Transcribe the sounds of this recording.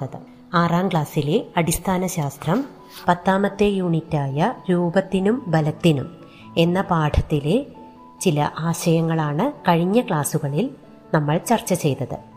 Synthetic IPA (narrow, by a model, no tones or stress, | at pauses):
ɐðɨ̰ | aːraːmɡɭaːsileɐɽist̪ʰaːnɐɕaːst̪rɐm | pɐt̪ːaːmɐt̪ːe̞juːɳitːaːjɐɾuːbɐt̪ːinumbɐlɐt̪ːinum | e̞nːɐpaːʈʰɐt̪ːile | t͡ɕilɐ̰ʔaːɕɐjɐŋːɐɭaːɳɨkɐɻiɲːɐkɭaːsuɣɐɭil | nɐmːɐɭt͡ɕɐrt͡ɕːɐt͡ɕe̞jt̪ɐðɨ̰